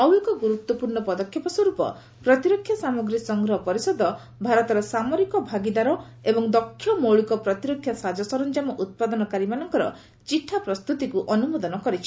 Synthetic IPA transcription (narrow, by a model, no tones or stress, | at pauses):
nɔwjɔkɔɡuɾut̪ːwɔpuɾɳɔpɔd̪ɔkʰjɔpɔswɔɾupɔ̰ | pɾɔt̪iɾɔkʰjasamɔɡɾisɔŋɡɾɔɦɔpɔɾisɔd̪ɔ | bʱaɾɔt̪ɔɾɔsamɔɾikɔbʱaɡid̪aɾɔ | ebɔŋd̪ɔkʰːjɔmowɭikɔpɾɔt̪iɾɔkʰjasad͡ʒɔsɔɾɔnd͡ʒamɔʔut̪̚pad̪ɔnɔkaɾimanɔŋkɔɾɔ̰ | t͡ʃiʈʰːapɾɔst̪ut̪ikuʔɔnumɔd̪ɔnɔkɔɾit͡ʃʰi̥